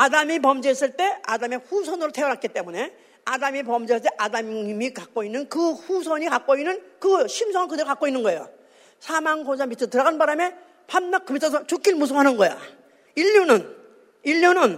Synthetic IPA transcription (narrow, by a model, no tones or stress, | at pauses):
adamip̬ʌmd͡ʑies͈ɯɭt͈e̞a̰dame̞ɸusʰʌnɯɾotʰeʌɾat̚k͈it͈e̞mune̞ | adamipʌmd͡ʑiet͈eʔadammikak͈̚oinːɯnkɯɸusʰʌɲikak͈̚oinːɯnkɯɕʰimsʰʌŋankɯdeɾokak͈oinːɯnɡʌe̞jo̰ | sʰamaŋkod͡ʑaŋmpit͡ɕʰɯtɯɾʌɡanbaɾame̞ | pʰanːak͈ːɯmt͡ɕʰas̬ʰʌt͡ɕuk͈ʰiɭmus̬ʰɯmɦanɯnɡʌja̰ | iʎːunɯn | iʎːunɯn